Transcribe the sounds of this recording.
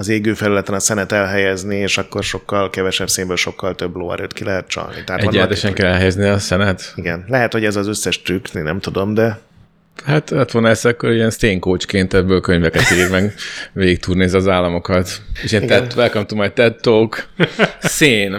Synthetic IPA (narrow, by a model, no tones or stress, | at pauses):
ɒzeːɡøːfɛlylɛt̪ɛnɒsɛnɛt̪ɛlɦɛjɛznieːʃɒkːo̞rʃo̞kːɒlkɛvɛʃɛbseːmbøːlʃo̞kːɒlt̪øbːlo̰ːɛ̰ɾøːt̪kilʔɛɦɛt̪̚t͡ʃɒ̰lnḭt̪ɛɦat̪ɛɟːɛlɛt̪ɛʃɛŋkɛlɛlɦɛjɛzniɒsɛnɛt̪iɡɛnlɛɦɛt̪ho̞ɟɛzɒzøsːɛʃt̪rykninɛmt̪ud̪o̞md̪ɛ | hat̪ɛt̪ʋonɛsɛkːoɾiɛnst̪eːŋkoːt͡ʃkeːnt̪ɛbːøːlkøɲvɛkɛt̪iːɾmɛɡʋeːɡik̚t̪uːrneːziɒzaːlːɒmo̞kɒt̪eʃeːnɛʋɛlkɒmt̪umajt̪ɛt̪ːok | seːn